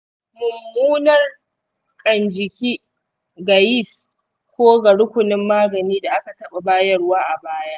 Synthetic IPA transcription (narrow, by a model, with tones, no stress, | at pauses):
mʊ˨mːuː˦nɐ˦˨r | kʼɐ˨nd͡ʒɪ˨kʲiː˦ | ɡa˨ji˦˨s | kʷoː˦ɡɐ˨ɽʊ˦kʷʊ˨nɪ˦mːaː˦ɡɐ˨niː˦da˨ʔa˦ka˨tɐ˦ɓa˨baː˦jɐ˦rwaː˦ʔa˨baː˦jaː˦ʔ